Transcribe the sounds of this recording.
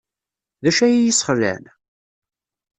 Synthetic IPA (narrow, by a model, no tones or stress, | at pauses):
ðæʃæjjisˤχlːæ̰n